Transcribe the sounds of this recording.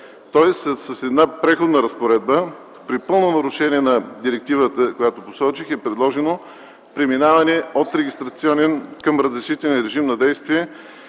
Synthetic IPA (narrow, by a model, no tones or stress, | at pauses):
t̪ɔɛssɐsɛd̪napɾɛxod̪nəɾɐspoɾɛd̪bə | pɾipɤlˠnonɐɾʊʃɛniɛnɐd̪iɾɛk̚t̪ivət̪əkojat̪oposɔt͡ʃixɛpɾɛd̪lˠɔʒɛno | pɾɛminavɐnɛot̪ɾɛɡʲist̪ɾɐt̪siɔnɛnkɐmɾəzɾɛʃit̪ɛlʲnɾɛʒimnɐd̪ɛjst̪viɛ